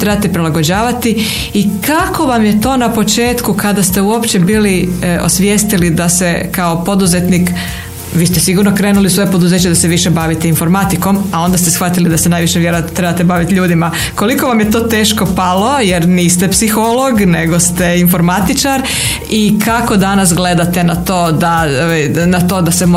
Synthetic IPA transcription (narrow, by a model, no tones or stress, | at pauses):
t̪ɾebat̪epɾilaɡo̞d͡ʑaːʋat̪i | ikako̞ʋamjet̪o̞ːnapo̞t͡ʃe̞ːt̪kukad̪ast̪e̞uo̞pt͡ɕebiːlio̞̰sʋjeːst̪ilid̪asekao̞po̞d̪uzet̪niːk | ʋiːst̪esiɡuɾno̞kɾe̞ːnuliusʋo̞jepo̞d̪uzeːt͡ɕed̪aseʋiʃe̞baʋit̪einfo̞ɾmat̪iko̞mao̞nd̪ast̪esxʋat̪ilid̪asenaːjʋiʃeʋjeɾot̪ɾebat̪ebaʋit̪ʎuːd̪ima | ko̞liko̞ʋamjet̪o̞ːt̪e̞ːʃko̞palo̞jeɾniːst̪epsixolo̞ɡneɡo̞st̪einfo̞ɾmat̪it͡ʃaɾ | ikako̞d̪anas̬ɡle̞d̪at̪e̞nat̪oːd̪a | o | nat̪o̞ːd̪asemo